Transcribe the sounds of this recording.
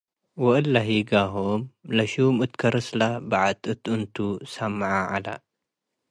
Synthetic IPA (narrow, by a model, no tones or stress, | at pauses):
wɐʔɨlːaɦiɡaɦomlɐʃumɨt̪kʰɐɾɨslabaʕat̪ʼɨt̪ɨnt̪ʰusɐmːʕaʕala̰